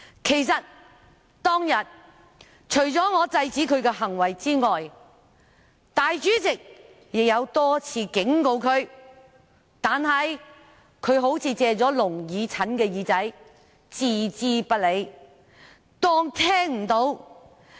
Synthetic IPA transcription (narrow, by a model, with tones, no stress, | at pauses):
kʰe˨˩jsɐ˨t̚ | t̪ɔː˥ŋjɐ˨t̚ | t͡ʃʰɵ˨˩ɥt͡sɔː˨˥ŋɔː˨˧t͡sɐ˧jt͡siː˨˥kʰɵ˨˧ɥkɛː˧ɦɐ˨˩ŋwɐ˨˩jt͡siː˥ŋɔː˨j | t̪aː˨jt͡ʃyː˨˥t͡sɪ˨k̚ | jɪ˨k̚jɐ˨˧wt̪ɔː˥t͡sʰiː˧kɪ˨˥ŋko˧wkʰɵ˨˧ɥ | t̪aː˨nhɐ˨˧j | kʰɵ˨˧ɥɦo˨˥wt͡sʰiː˨˧t͡sɛː˧t͡sɔː˨˥lʊ˨˩ŋjiː˨˧t͡sʰɐ˨˥nkɛː˧jiː˨˧t͡sɐ˨˥j | t͡siː˨˩t͡siː˥pɐ˥t̚le˨˧j | t̪ɔː˥ŋt̪ʰɛː˥ŋm̩˨˩t̪o˨˥w